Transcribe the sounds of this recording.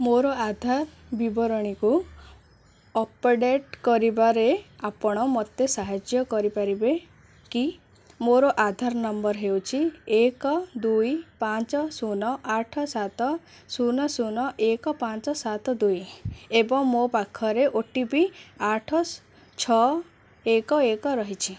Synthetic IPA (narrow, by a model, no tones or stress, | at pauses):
moɾoad̪ʱaɾ | bibɔɾɔɽ̃iku | ɔpeɽeʈkɔɾibaɾeapɔɽ̃ɔmɔt̪esaɦad͡ʒjɔkɔɾipaɾibe | ki | moɾɔʔad̪ʱaɾnɔmbɔɾɦewt͡ʃʰiekɔd̪ujpant͡ʃɔsunɔʔaʈʰɔsat̪ɔ | sunɔsunɔʔekɔpant͡ʃɔsat̪ɔd̪ujebɔŋmopakʰːɔɾeʔoʈibiaʈʰɔ | t͡ʃʰɔ | ekɔekɔɾɔɦit͡ʃʰi